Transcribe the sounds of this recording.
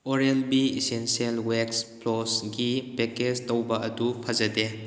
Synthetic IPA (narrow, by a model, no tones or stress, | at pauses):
oɾenbiisensielweksplɔsɡipeked͡ʒtowbɐɐdupʰɐzɐde